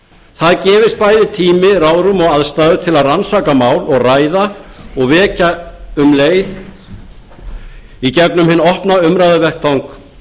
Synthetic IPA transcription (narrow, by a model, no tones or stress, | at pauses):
θaðcɛːvɪst̪̚paːjðɪt̪ʰiːmɪɾaːwɾʏmɔɣaðst̪aːðʏt̪ʰɪlaðransaːkamaːwlɔɣraːjðaɔɣvɛːcaʏmleːjð | icɛknʏmhɪnːɔhpnaʏmɾajðʏvɛhk̚t̪ʰawŋk